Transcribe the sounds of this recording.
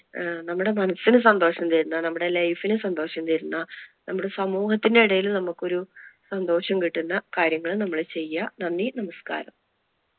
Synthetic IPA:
nɐmːuɽe̞mɐnɐsːinɨs̬ɐnd̪o̞ːʂɐnt̪eɾunːɐnɐmːuɽe̞lɐjfinɨsɐnd̪o̞ːʂɐmt̪eɾunːɐnɐmːuɽesɐmuːhɐt̪ːindeiɽɐjilnɐmːukːo̞ɾusɐnd̪o̞ːʂɐmkiʈːunːɐkaːɾjɐŋːɐɭnɐmːɐɭt͡ɕe̞jːɐnɐnːinɐmɐska̰ːɾɐm

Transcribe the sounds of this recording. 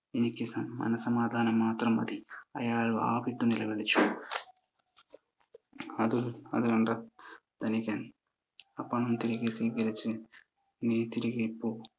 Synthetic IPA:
inikːisɐmɐ̰nɐsɐmaːd̪ʱaːnɐmːaːt̪ɾɐmɐ̰d̪iɐ̰jaːɭua̰ːbiʈːunilɐbeɭit͡ʃːu | ɐd̪uɐ̰d̪uɐɳɖɐd̪̥ɐnikɐ | ɐpːɐɳumt̪iɾiɡisiːɡɐɾit͡ʃːi | nit̪iɾiɡipːu

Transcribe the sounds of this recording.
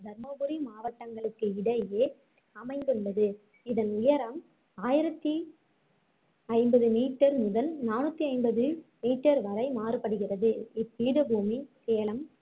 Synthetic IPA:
d̪ʱɐɾmɐbɯɾimaːʋɐʈːɐŋɡɐɭɯkːɯɪɽɐjeː | ɐmɐɪnd̪ɯɭːɐðɯ | ɪðɐnʊjɐɾɐm | aːjɪɾɐt̪ːi | ɐɪmbɐðɯmiːʈːɐɾmʊðɐlnaːnɯt̪ːiɐɪnbɐðɯmiːʈːɐɾʋɐɾɐɪmaːrɯpɐɽɯɣɪrɐðɯɪpːiːɽɯbuːmiseːlɐm

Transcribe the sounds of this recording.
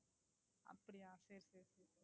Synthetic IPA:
ɐ̰pːɐɽiaːseːɾseːɾse

